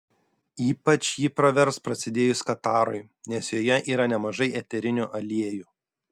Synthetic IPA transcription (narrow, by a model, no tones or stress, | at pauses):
iːpɐt͡ʃʲjiːpɾɐʋʲɛɾspɾɐsʲɪd̪ʲeːjʊskɐt̪ɑːɾɔɪ | nʲɛsjoːjɛʔiːɾɐnʲɛmɐʒɐɪʔɛt̪ʲɛɾʲɪnʲuːʔɐlʲiɛjuː